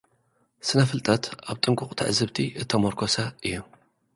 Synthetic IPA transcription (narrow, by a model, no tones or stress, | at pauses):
sɨnɐfɨlt̪ʼɐt̪aβt̪ʼɨŋkʼʊχʼt̪ʰɨ̰ʕzɨβt̪ʰiʔɨt̪ʰːɐmoɾkʰosɐʔɨjːu